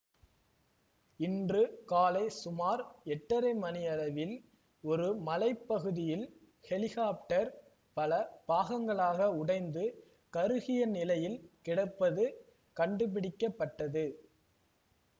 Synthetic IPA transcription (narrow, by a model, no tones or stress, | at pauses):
ɪndrɯkaːlɐɪsʊmaːɾɛʈːɐɾɐɪmɐnɪjɐlɐʋɪl | ɔɾɯmɐlɐɪpːɐɣɯðɪjɪl | hɛlɪɣaːp̚ʈːɐɾ | pɐlɐb̥aːɣɐŋɡɐɭaːɣɐʊɽɐɪnd̪ɯ | kɐɾɯɣɪjɐnɪlɐjɪlkɪɽɐpːɐðɯ | kɐɳɖɯp̬ɪɽɪkːɐpːɐʈːɐðɯ